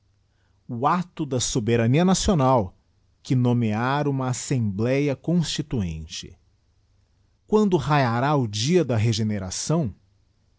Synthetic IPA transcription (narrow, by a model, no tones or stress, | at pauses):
ʊat̪ʊd̪ɐsobeɾɐniɐnasionaw | kɪnõmeaɾũmɐːsẽmblɛjɐkõst͡ʃit̪uḛ̃nt͡ʃɪ̰ | kwɐ̃nd̪ʊɦajaɾaʊd͡ʒiɐd̪ɐɦeʒeneɾasɐ̃w̃